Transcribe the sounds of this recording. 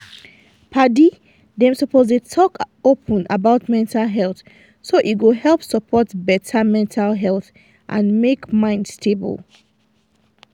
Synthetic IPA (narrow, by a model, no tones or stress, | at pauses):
pʰadi | dɛ̃msɔpʰozletʰɔkopʰə̃na̰baʊtmɛ̃ntʰalɦɛlθ | soʔiɡoɦɛlˠpsəpʰɔtbɛtʰamɛ̃ntʰalɦɛlˠθ | ʔã̰nmekmãɪ̃ndstʰebə̰lˠ